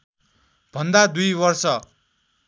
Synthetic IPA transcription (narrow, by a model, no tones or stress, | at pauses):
b̥ʱʌnd̪ad̪ujbʌrsʌ